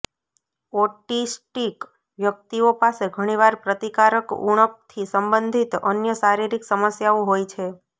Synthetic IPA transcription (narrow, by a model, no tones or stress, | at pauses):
ɔʈisʈik | ʋjək̚t̪iopaseɡʱəɽ̃iʋaɾpɾət̪ikaɾəkṵɳ̃əp̚t̪ʰisəmbə̃nd̪ʱit̪ə̰njəsaɾiɾiksəməsjaoɦojt͡ʃʰe